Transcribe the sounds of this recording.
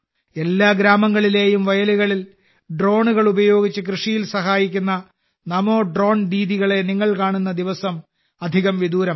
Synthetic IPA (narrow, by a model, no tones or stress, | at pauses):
e̞lːaːɡɾaːmɐŋːɐɭile̞ːjumʋɐjɐluɣɐɭil | ɖro̞ːɳuɣɐɭubɐjo̞ːɡit͡ɕːɨkrɨʂijilsɐɦaːjikʲːunːɐ | nɐmo̞ːɖro̞ːɳɖiːðiɣɐɭe̞niŋːɐɭkaːɳunːɐd̪iʋɐsɐm | ɐd̪ʱiɣɐmʋid̪uːɾɐm